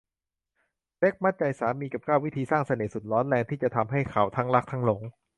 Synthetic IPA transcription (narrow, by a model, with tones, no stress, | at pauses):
te˦˥˩k̚ma˥˩nt͡ɕa˧jsaː˩˦miː˧ka˨˩p̚kaː˥˩wi˦˥t̪ʰiː˧saː˥˩ŋsa˧neː˨˩˦su˨˩t̪̚lɔː˦˥nlɛː˧ŋt̪ʰiː˥˩t͡ɕa˨˩t̪ʰa˧mɦa˥˩jkʰa˨˩wt̪ʰa˦˥ŋla˦˥k̚t̪ʰa˦˥ŋlo˩˦ŋ